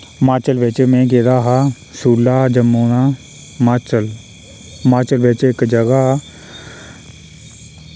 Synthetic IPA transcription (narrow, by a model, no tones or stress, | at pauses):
maːt͡ʃəlʋɪt͡ʃmɛ̃ːɡeːd̪aːɦaː | suːlːaːd͡ʒəmːoːnaː | maːt͡ʃəl | maːt͡ʃəlʋɪt͡ʃɪkd͡ʒəɡa